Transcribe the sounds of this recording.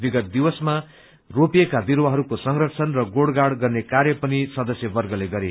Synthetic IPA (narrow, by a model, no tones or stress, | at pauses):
biɡʌt̪̚d̪ibʌsma | ropijekabiɾwʌɦʌɾukosʌŋrʌt͡sʰʌnrʌɡoɽɡaɽɡʌrnekaɾjʌpʌnisʌd̪ʌsjʌbʌrɡʌleɡʌɾe